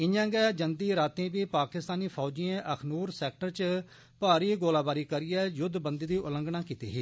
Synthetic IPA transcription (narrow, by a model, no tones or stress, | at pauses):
ɪãːɡɛːd͡ʒənd̪iːɾaːt̪ẽːbiːpaːkɪst̪aːniːpʰɔːd͡ʒɪẽːʔəkʰnuːɾsɛːk̚ʈəɾt͡ʃ | paːɾiːɡoːlaːbaːɾiːkəɾɪjɛːjʊd̪bənd̪iːd̪iːʔʊlə̃ŋɡnãːkiːt̪ḭːɦiː